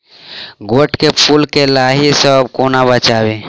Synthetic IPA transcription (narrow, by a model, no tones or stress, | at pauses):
ɡoːʈkepʰulkelaːɦisəb̚koːnabət͡ʃaːwe